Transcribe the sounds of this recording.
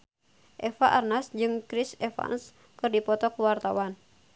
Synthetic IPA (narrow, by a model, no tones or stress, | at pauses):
ʔɛfaʔarnasd͡ʒɨŋkɾisɛfa̰ns | kɨrdipɔt̪ɔkuwart̪awan